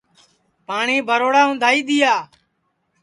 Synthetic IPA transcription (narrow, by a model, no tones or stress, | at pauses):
paːɳiːbʱəɾoːɽaːʊ̃nd̪ʱaːiːɗ̪ɪjaː